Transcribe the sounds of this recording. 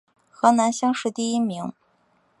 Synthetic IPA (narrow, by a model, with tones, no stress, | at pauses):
xɤ˧˥na˧˥nɕjɑ˥ŋʂɻ̩˥˧t̪i˥˩i˥mi˧˥ŋ